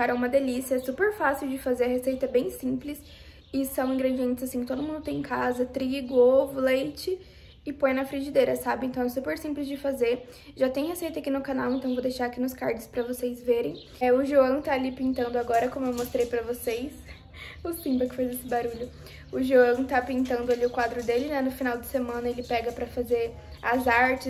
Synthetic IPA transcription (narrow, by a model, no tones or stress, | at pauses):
kaɾɐ̃ũmɐd̪elisijɐɛsupeɾfasiwd͡ʒɪfazeɾɐhesejt̪ɐɛbẽj̃sĩplɪs | ɪsɐ̃w̃ĩŋɡɾed͡ʒiẽnt͡ʃ̪ɪzasĩkɪt̪od̪ʊmũd̪ʊt̪ẽj̃kʰazɐt̪ɾiɡʊovʊlejt͡ʃɪ | ɪpõj̃nɐfɾiʒid̪eɾɐsabɪẽnt̪ɐ̃w̃ɛsupeɾsĩplɪzd͡ʒɪfazeɾ | ʒat̪ẽj̃hesejt̪ɐakinʊkanawẽnt̪ɐ̃w̃vod̪ejʃaɾakinʊskaɾd͡ʒɪspɾɐvosejzveɾẽj̃ | ʊʒuɐ̃t̪aːlipĩt̪ɐ̃nd̪ʊaɡɔɾɐkõmʊewmost̪ɾejpɾɐvosejs | ʊsĩmbɐkɪ̥fajzesɪbaɾuʎʊ | ʊʒuɐ̃w̃t̪apĩnt̪ɐ̃nd̪ʊaliʊkwad̪ɾʊd̪elɪnanʊfinawd͡ʒɪsemɐ̃nɐelɪpɛɡɐpɾɐfazeɾ | ɐzaɾt͡ʃɪ